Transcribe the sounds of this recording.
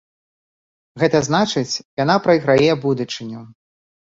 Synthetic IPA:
ɣɛt̪ɐznat͡ʂɨt͡sʲjanapɾɐjɣɾajɛbud̪ut͡ʂɨnʲu

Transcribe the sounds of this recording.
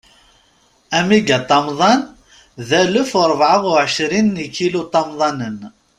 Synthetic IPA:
æmiɡæt̪ˤːɑmðˤɑn | ðælʊfʊɾˤəvʕəʁʊʕəʃɾinːikilut̪ˤːɑmðˤɑnən

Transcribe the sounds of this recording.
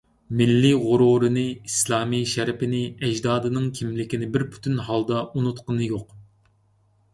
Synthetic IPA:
mɪlːiʁʊɾuɾɨnɨislˠɑːmiʃɛɾɪpɪnɪɛd͡ʒd̪ɑːd̪ɨnɨŋkʲʰimlɪkʲinɪbɪɾpʰy̥t̪ʰynɦɑlˠd̪ɑʔunut̪qənɨjoq

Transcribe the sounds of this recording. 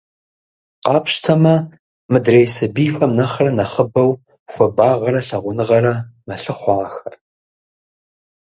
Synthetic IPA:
qɑːpʰɕtʰɐmɐ | mɨdrejsɐbiːfɐmnɐχɐrɐnɐχəbɐw | xʷɐbaːʁɐɾɐɬɐʁʷʊnɨʁɐɾɐmɐɬɨχʷɑːxɐr

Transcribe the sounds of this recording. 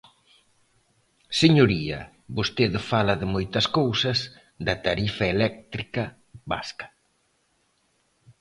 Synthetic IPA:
seɲoɾiɐ̰ | βost̪eðfalɐðɪmojt̪ɐskowsɐz | d̪ɐt̪aɾifɐelɛk̚t̪ɾikɐ | βa̰skɐ̥

